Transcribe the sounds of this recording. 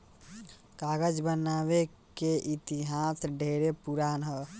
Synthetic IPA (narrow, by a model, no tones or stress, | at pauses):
kaɡəd͡ʒbənaβe | keʔit̪iɦasɖʱeɾepuɾanɦə